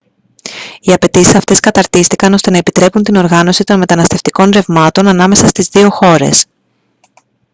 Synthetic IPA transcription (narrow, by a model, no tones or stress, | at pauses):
iɐpe̞t̪isisɐft̪e̞skɐt̪ɐɾt̪ist̪ikɐno̞st̪e̞nɐepit̪ɾe̞punt̪ino̞ɾɣɐno̞sit̪o̞nme̞t̪ɐnɐst̪e̞ft̪iko̞nɾe̞vmɐt̪o̞nɐnɐme̞sɐst̪izðio̞xo̞ɾe̞̰s